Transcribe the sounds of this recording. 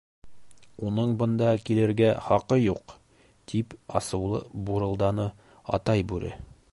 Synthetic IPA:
unɤɴbɤ̆nd̪ɑkilɘ̆ɾɡæχɒqɤjuq | t̪ʰipɒ̰sɤ̆wlˠɤ̰buɾɤ̆lˠd̪ɑnɤ | ɒ̰t̪ɑjbʉɾɘ̰

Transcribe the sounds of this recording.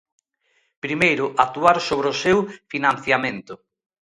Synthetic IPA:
pɾimejɾʊʔat̪uaɾsoβɾosewfinãnθjamẽnt̪ʊ

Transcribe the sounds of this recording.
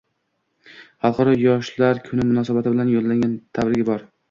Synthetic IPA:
χɑlˠqɑɾɒjɒʃlaɾkʰʊnɪmʊnɒsabat̪ʰɪbɪlanjolˠːaŋɡʲant̪ʰavɾɪɡʲɪbɒɾ

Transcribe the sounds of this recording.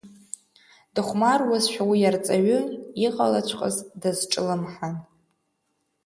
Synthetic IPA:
d̥ɨχʷmarwazʃʷᶣawijart͡sʼaɥʊiqʼalat͡ɕʷʰqʼə̰zdazʈ͡ʂʼɨlamħan

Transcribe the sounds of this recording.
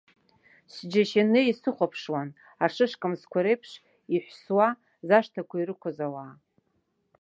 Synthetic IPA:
sd͡ʒaʃanɨisɨχʷapʰʂwan | aʂɨʂkʼɨmskʷʰaɾejpʰʂ | iħʷswa | zaʂtʰakʷairɨkʷʰazawaː

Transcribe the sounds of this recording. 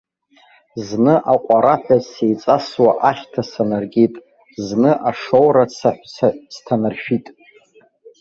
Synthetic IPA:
znɨʔaqʷʼaɾaħʷᶣasejt͡sʼaswaʔaχʲtʰasanarɡʲitʼ | znɨʔaʂowɾat͡sʰaħʷt͡sʰastʰanarʃᶣitʼ

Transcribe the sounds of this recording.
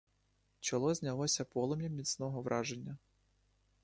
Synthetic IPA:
t͡ʃɔlˠɔzʲnʲɐlˠɔsʲɐpɔlˠɔmʲjɐmʲisʲnɔɦɔʋɾʔɑʒenʲːɐ

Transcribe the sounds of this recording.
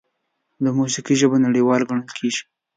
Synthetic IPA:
d̪əmusiqiʒəbonaɽewɑlɡaɳ̃əlkʰeʒi̥

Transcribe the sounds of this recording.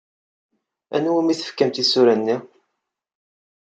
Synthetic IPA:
ænwimiθə̥fkæmt̪isuɾænːi

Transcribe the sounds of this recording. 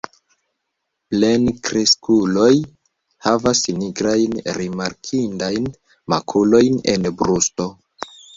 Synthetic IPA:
plenkɾiskulo̞j | havasniɡɾajnɾimaɾkʰindajn | ma̰kʰulo̞jne̞̰nbɾusto̞

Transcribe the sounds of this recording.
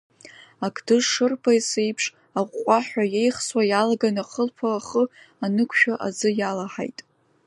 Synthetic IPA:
akʰʼdɨʂʂɨrpʰajsejpʰʂ | aʁʷqʷʼaħʷᶣajejχswajalaɡanaχəlpʰaːχə | anɨkʷʰʃᶣaʔa̰zɨjalaħa̰jtʼ

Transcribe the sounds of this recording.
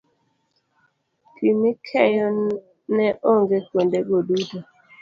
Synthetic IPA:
kʰimikʰɛjɔ | nɛʔoŋɡekwondeɡodudo

